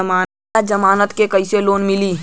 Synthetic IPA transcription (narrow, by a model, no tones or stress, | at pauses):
maː | ad͡ʒɐmaːnət̪kekɐɪiseloːnmɪli